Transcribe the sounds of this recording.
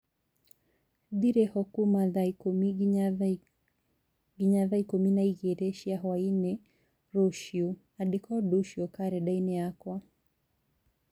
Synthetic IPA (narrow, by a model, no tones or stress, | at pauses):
diɾɛhɔkumaðaikumia | ɡiɲaðaikuminaiɣɛɾɛʃiaɦwainɛ | ɾɔʃiu | aɗikɔɗuʃiɔkaɾɛɗainɛakwa